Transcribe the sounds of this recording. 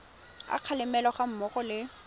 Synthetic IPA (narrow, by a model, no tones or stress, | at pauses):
a̰q͡χʰalɪmɛlɔχam̩mɔχɔlɪ